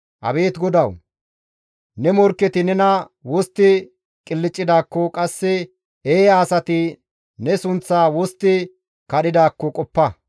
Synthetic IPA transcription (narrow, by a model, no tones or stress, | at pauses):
ʔɐ̰be̞ːt̪ɡɔd̪ɐw | nɛmɔɾkːɛt̪ɪnɛnɐ | wɔst̪ːɪ | kʼɪlːɪt͡ʃʼːɪd̪aːkːɔkʼɐsːɛ | eːjaːsɐt̪ɪ | nɛsʊnt͡sːaːwɔst̪ːɪ | kɐɗɪd̪aːkːɔkʼɔpːɐ